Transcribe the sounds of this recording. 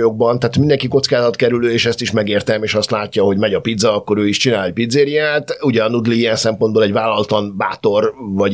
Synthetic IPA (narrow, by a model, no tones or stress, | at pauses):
jo̞ɡ̚bɒnt̪aːt̪mind̪ɛŋkiko̞t̪skaːzɒt̪kɛɾyløːeːʃɛst̪iʃmɛɡeːrt̪ɛmeːʃɒst̪laːcːɒho̞ɟmɛɟɒpid̪zɒːkːo̞ɾøːiʃt͡ʃinaːlɛc̚pid̪zeːɾiaːt̪uɟɒnud̪liijɛnsɛmpo̞nd̪boːlɛɟvaːlːɒlt̪ɒnbaːt̪o̞rvɒɟ